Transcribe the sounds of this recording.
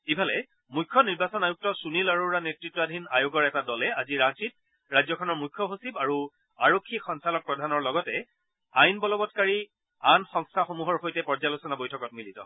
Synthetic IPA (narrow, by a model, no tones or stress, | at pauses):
ibʱalɛ | mujkʰːɔniɹbasɔnajuk̚tɔsunilaɹoɹanetɹitːɔadʱinajoɡɔɹɛtadɔlɛaziɹatit̚ | ɹajzɔkʰɔnɔɹmujkʰːɔɦosibaɹu | aɹokʰːikxɔnsalɔk̚pɹɔdʱanɔɹlɔɡɔtɛ | ajnbɔlɔbɔtkaɹi | anxɔŋstʰaxomuɦɔɹxojtɛpɔɹzalosɔnabojtʰɔkɔt̚militɔ̰